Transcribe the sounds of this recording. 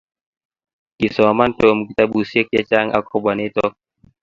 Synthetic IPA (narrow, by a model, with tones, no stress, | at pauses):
ki˨sɔ˨ma˦npe˨a˨mu˨i˨t̪a˦bu˨si˦k̚ja˧t͡ʃa˦ŋʔa̰˧kʰɔ˧ba˨ne˦t̪ɔ˦k̚